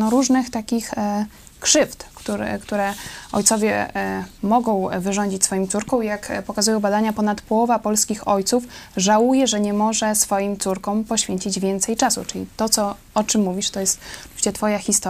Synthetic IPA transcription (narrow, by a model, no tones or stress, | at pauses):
nɔɾuʐnɘxt̪akʲix | kʂɘft̪kt̪uɾ̰kt̪uɾɛɔ̰jtsɔvʲjɛ | mɔɡɔ̃w̃vɘʐɔɲd͡ʑit͡ɕʲsfɔjĩmt̪suɾkɔ̃w̃ijakpɔkazujɔ̃w̃bad̪aɲapɔnat̪pɔwɔvapɔlskʲixɔjt̪sufʐawujɛʐɛɲɛmɔʐɛsfɔjimt̪suɾkɔ̃w̃pɔɕfʲjeɲt͡ɕid͡ʑvʲjɛnt̪sɛjt͡ʂasṵt͡ʂɘlʲḭt̪ɔt̪sɔ | ɔt͡ʂɘmːuvʲiʂt̪ɔjɛst̪ɔvʲit͡ɕɛt̪fɔjaxʲist̪ɔ